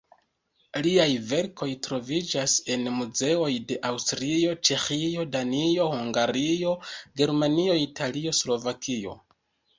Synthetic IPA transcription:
liajve̞ɾkʰo̞jtɾo̞vid͡ʒase̞nmuze̞o̞jde̞ʔawstɾio̞t͡ʃe̞xio̞danio̞huŋɡaɾio̞ɡe̞ɾmanio̞italio̞slo̞vakio̞̰

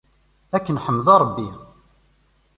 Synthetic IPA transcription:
ækːənħəmːəðˤɑɾˤbːi

